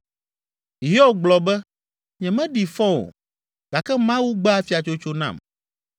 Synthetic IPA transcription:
ɦi˦ɔ˦ɡ͡blɔ˨bɛ˦ | ɲɛ̃˨mɛ̃˦ɖi˨fɔ̃˦o̰˨ | ɡ̥a˨kɛ˦mã˦wu˦ɡ͡ba˦a˦fi˨a˨t͡ʃo˦t͡ʃo˦nã̰˦˨m

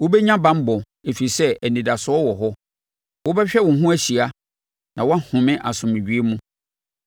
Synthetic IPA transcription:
wo˦bɛ˦ɲã˦bã˦m˦bɔ̃˨ | e˨fi˨i˨sɛ˦ɛ˨nĩ˨da˨sʊ˨˦ɔ˦wɔ˨ɦɔ˦ | wʊ˦bɛ˦ɕᶣɛ˦wʊ̃˨ɦũ˦æ˦ɕi˨a˦ | nã˨wɔ˦a˦hʊ̃˨mɪ̃˦ʔa̰˨sʊ̃˨mɪ̃˨d͡ʑᶣi˦e˦mũ˦

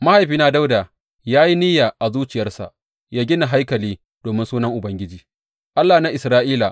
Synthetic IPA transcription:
ma˦ha˨jɸiː˦naː˦˨da˦wdaː˨ | jaː˦ji˦nɪ˦jaː˨ʔa˨zuː˦t͡ʃɪ˨jɐ˦rsa̰˨ | jaː˦ɡʲɪ˦na˨ɦa˦jkɐ˨liː˦ | d̥oː˨mɪ˦nsuː˦nɐ˦ŋʔʊ˨bɐ˦ŋɡʲɪ˦d͡ʒiː˨ | ʔa˦lːaː˨na˦ʔɪ˨sɾaː˦ʔiː˦la˨

